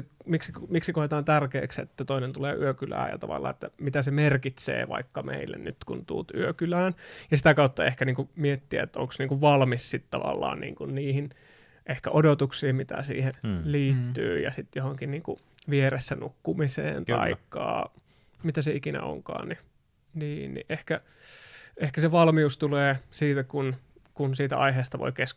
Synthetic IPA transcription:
miksikmiksikohet̪ɑːnt̪ærkḛːksḛt̪ːæt̪oinent̪ulḛːʔyøkylæ̰ːjɑ̰t̪ɑʋɑlːɑ̰ːet̪ːæmit̪æsemerkit̪sḛːʋɑ̰ikːɑmʔeilːḛnnyt̪kunt̪ṵːt̪yøkylæːnjɑsit̪ækɑut̪ːɑehkæniːŋkumiet̪ːiæet̪ːo̰ŋksniːŋkuʋʋɑlmissit̪t̪ɑʋɑ̰lːɑ̰ːnnḭːŋkunniːhin | ʔehkæʔodot̪uksiːmmit̪æ̰sḭːhenliːt̪ːy̰ːjɑ̰sit̪johoŋkinniːŋkṵ | ʋieɾesːænukːumisḛːnt̪ɑ̰ikːɑ̰ː | mit̪æseikinæ̰o̰ŋkɑ̰ːnni | niːnnḭʔehkæ | ehkæseʋɑlmiust̪uleːsiːt̪ækun | kunsiːt̪æ̰ʔɑ̰iɦeːst̪ɑʋo̰ikesk

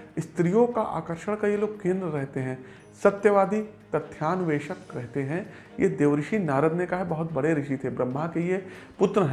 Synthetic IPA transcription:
ɪst̪ɾijõka̰ʔa̰ːkəɾʃəɽ̃kajeloːɡ̚kɪ̃nd̪ɾəɾɛɦt̪eɦɛ̃ | sɐt̪jəʋaːd̪it̪ɐt̪ʰːjaːnʋeːʃəkɾɛɦt̪eɦɛ̃ | jed̪eːʋɾɪʃinaːɾəd̪nekaɦebɐɦʊt̪̚bɐɽeɾɪʃit̪ʰebɾɐmːakeijepʊt̪ɾəɦɛ̃

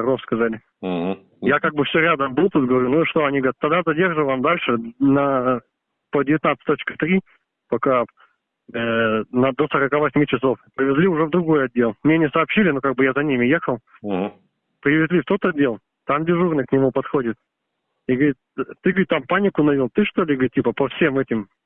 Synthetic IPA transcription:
ɐrofskɐzalʲɪ | jakaɡ̚bɨfsʲoɾʲad̪əmbɨlˠt̪ut̪̚ɡəvɐɾʲunuiʂt̪oɐnʲiɡəɾʲat̪ːɐd̪azɐdʲe̞rʐɨvamd̪alʲʂɨnə | pədʲɪvʲɪt̪nat̪sɨ̥tʲt̪ot͡ɕkə̥t̪ɾʲi | pɐka | ənəd̪osɐɾɐkavɐsʲmʲit͡ɕɪso̞fpɾʲɪvʲɪzʲlʲiʊʐɛvd̪ɾʊɡo̞jɐdʲːe̞lˠmnʲenʲɪsɐːpɕilʲɪnokaɡ̚bɨjazɐnʲimʲɪjexəlˠ | pɾʲɪvʲɪzʲlʲift̪ot̪ɐdʲːe̞lˠ | t̪amdʲɪʐurnɨknʲɪmupɐt̪xodʲɪt̪̚ | iɡəɾit̪̚t̪ːɨɡəit̪ampanʲɪkʊnɐvʲilˠt̪ɨʂt̪olʲɪɡəɾʲit̪̚tʲipəpɐfsʲe̞mɛtʲɪm

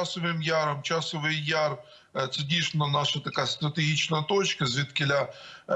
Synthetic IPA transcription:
asəvɨmjaɾɐmt͡ɕasəvɨjjar | t̪sɨdʲiʂnɐnaʂət̪ɐkajəst̪ɾət̪ɨɡʲit͡ɕnəjət̪ot͡ɕkəzvʲɪt̪kʲɪlʲa

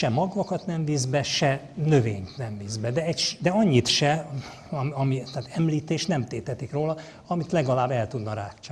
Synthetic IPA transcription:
ʃɛmɒɡʋɒkɒt̪nɛmviːzbɛʃɛ | nø̞veːɲt̪nɛmviːzbɛd̪ɛɛcʃd̪ɛɒɲːit̪ʃɛ | ɒmɒmit̪aːt̪ɛmliːt̪eːʃt̪nɛmt̪eːt̪ɛt̪ikroːlɒ | ɒmit̪lɛɡɒlaːbːɛlt̪ud̪nɒɾaːkt͡ʃː

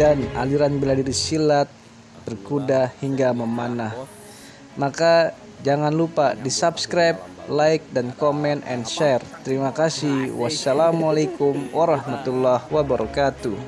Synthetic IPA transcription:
dana̰liɾanbiladidisilat̪̚ | bərkudahiŋɡaməmanah | maka | d͡ʒaŋanlupadisapskɾajp̚laɪk̚dankomɛnɛ̰nʃɛrt̪əɾimakasihwasːalamalakumwʔaɾɑhmat̪ulːahwabaɾʔɔkat̪u

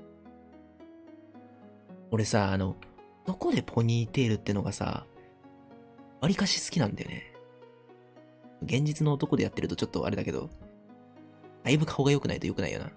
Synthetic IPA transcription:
o̞ɾe̞saːno̞ | d̪̥o̞ko̞d̪e̞pʰo̞ɲ̟ʲiːt̪e̞ɾɯ̟t̪ːeɯ̟no̞ɡasa̰ | βaɾʲikaɕi̥sɨ̥kʲinãnd̪a̰jo̰ne̞̰ | oɡẽ̞ɲ̟d͡ʑit͡sɨnoːt̪o̞ko̞d̪e̞jat̪ːe̞ɾɯ̟t̪ot͡ɕo̞t̪ːo̞̰ʔa̰ɾe̞d̪ake̞d̪o̞̰ | d̪̥aibɯ̟kʰao̞ɡajo̞kɯ̟na̰it̪ojo̞kɯnaḭjo̰na̰

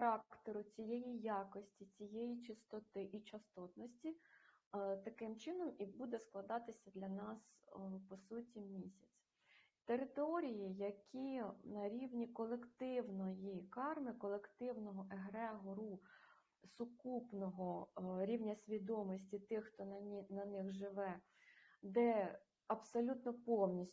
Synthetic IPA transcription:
xɐɾɑkkt̪eɾʊt͡sʲijɛjijɑkɔsʲtʲit͡sʲijejit͡ʃɪst̪ɔt̪ɪʔit͡ʃɐst̪ɔt̪nɔsʲtʲi | t̪ɐkɪmt͡ʃɪnɔmibud̪ɛsklˠɐd̪ɑt̪ɪsʲɐd̪lʲɐnɑspɔsutʲimʲisʲɐt͡sʲ | t̪eɾɪt̪ɔɾʲijijɐkʲʰinɐɾʲiwnʲikɔlˠekt̪ɪwnɔjikɑrmɪkɔlˠekt̪ɪwnɔɦɔʔeɦɾɛɦɔɾu | sʊkupnɔɦɔɾʲiwnʲɐsʲʋʲid̪ɔmɔsʲtʲit̪ɪxːt̪ɔnɐnɪxʒɪʋɛ | d̪ɛ | ɐbsɔlʲut̪nɔpɔwnʲisʲ

